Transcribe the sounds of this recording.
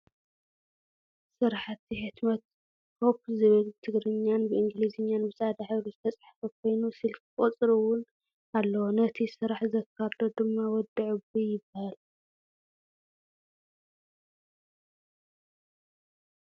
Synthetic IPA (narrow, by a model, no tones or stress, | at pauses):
sɨɾħat̪ʰːiħɨt̪mɐt̪̚ | pʰopzɨβɨlt̪ʰɨɡɾɨɲːanbɨʔɨŋɡɨlizɨɲːanbɨsʼad̪aħaluzɨt̪ʰɐt͡sʼaħḁfɐkʰo̞jnusilkkʼɔt͡sʼɾɨwʊn | alːɐwonɐt̪ʰisɨɾaħzɐkʰːaɾd̪o̞d̪ɨmːawɔd̪ɨʕubijɪbːahal